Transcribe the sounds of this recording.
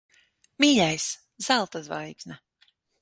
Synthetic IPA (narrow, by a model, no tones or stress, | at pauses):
miːʎʲajs | z̥ælˠt̪azva̰jɡzna